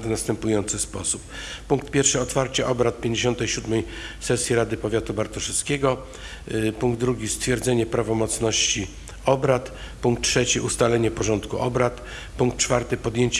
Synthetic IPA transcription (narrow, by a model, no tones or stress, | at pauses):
vnast̪ɛmpujɔnt̪sɘspɔsuppuŋk̚t̪pʲjɛɾfʂɘɔt̪faɾt͡ɕɛʔɔbɾat̪̚pʲjeɲd͡ʑeɕɔnt̪ɛjɕud̪mɛjsɛsʲjiɾad̪ɘpɔvʲjat̪ubaɾt̪ɔʂɛskʲeɡɔ | puŋɡd̪ɾuɡʲist̪fʲjɛɾd̪zɛɲɛpɾavɔmɔt̪snɔɕt͡ɕi | ɔbɾat̪ | puŋk̚t̪̚tʂɛt͡ɕiʔust̪alɛɲɛpɔʐɔnt̪kuʔɔbɾat̪ | puŋkt̪t͡ʂfaɾt̪ɘpɔd̪jeɲt͡ɕ